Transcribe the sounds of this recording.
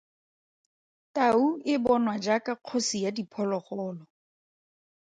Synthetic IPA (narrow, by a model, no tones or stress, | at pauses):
tauɪbɔnwad͡ʒakaq͡χʰosijadipʰɔlɔχɔːlɔ